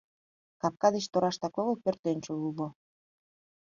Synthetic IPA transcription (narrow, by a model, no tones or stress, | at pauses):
kɑp̚kɑd̪et͡ɕt̪oɾɑʃt̪ɑkoɣopørt̪enʲt͡ɕolulo